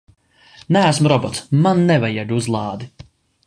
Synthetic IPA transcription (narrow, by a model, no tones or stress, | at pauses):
nææs̬mɾɔbɔt̪smanːɛvajad̪uzlˠɑːd̪i